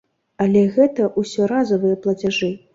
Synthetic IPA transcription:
ɐlʲɛɣɛt̪ɐʔusʲɔɾazɐvɨjɐplˠɐt͡sʲaʐɨ

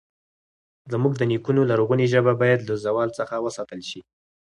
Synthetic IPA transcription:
zəmuɡd̪ənikunolaɾoɣuneʒəbabɑjad̪lazawɑlt͡səxawəsɑt̪əlʃi

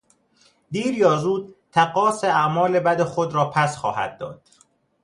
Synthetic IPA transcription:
d̪iːɾjɒːzuːd̪̚t̪ʰæɣɒːseæmɒːle̞bæd̪exod̪ɾɒːpʰæsxɒːhæ̰d̪̚ːɒ̰ːd̪̥

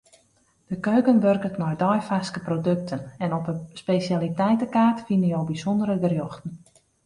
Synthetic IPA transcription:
d̥əkøːkənʋørkətnɔjdɔjfaskəprodøk̚tʰənɛnɔpəspeːsjalitɛjtəkaːrtfinəjowbizɔndəɾədərjoxtn̩

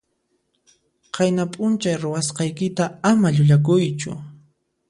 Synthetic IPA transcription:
qɑjnapʼʊnt͡ʃajɾʊwasqɑjkɪt̪aamaʎʊʎak̬ʊjt͡ʃʊ̰

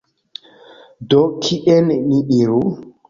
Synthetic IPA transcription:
dɔkʰiʔɛnniɗiɾu

